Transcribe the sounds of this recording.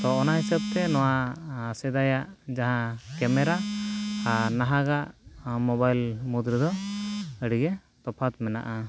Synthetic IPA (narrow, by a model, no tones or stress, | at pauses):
t̪ɔːnaɦisab̚t̪ɛnɔwasɛd̪ajaʔd͡ʒaɦãkɛmɛɾaː | naɦaɡaʔmɔbajlmud̪ɾid̪ɔəɽiɡɛ | t̪ɔpʰat̪mɛna̰ʔa